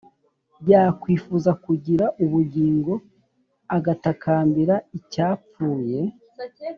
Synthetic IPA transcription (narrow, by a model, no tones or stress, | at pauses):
jaːkwiːfuzakuɟiɾaʔuβuɟiːŋɡo̞ | aɡatakaːmbiɾaicaːpp͡fuːje̞